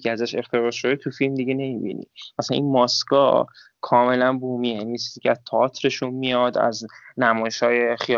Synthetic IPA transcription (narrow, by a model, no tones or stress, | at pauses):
eæzæʃe̞xt̪ʰe̞ʁɒːʃod̪et̪ʰufilmd̪iɟe̞ne̞mibḭnḭmæsææ̰nʔinmɒːskɒ̰ː | kʰɒːme̞lænbuːmijænijet͡ʃʰizicʰeæzt̪ʰɑɒːt̪ʰɾe̞ʃunmijɒd̪æ̰znæmɒːjeʃhɒːjexi